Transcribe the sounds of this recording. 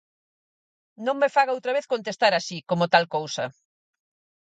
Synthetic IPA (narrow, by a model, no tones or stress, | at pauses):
nõŋmefaɣaowt̪ɾɐβ̞eθkont̪est̪aɾasikomot̪alkowsɐ